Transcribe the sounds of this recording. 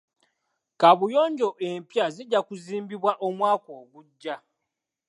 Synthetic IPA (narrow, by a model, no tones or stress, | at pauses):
kaβujoːɲɟo̞ʔempjaziɟːakuziːmbiβwaʔomwaːko̞ːɡuɟːa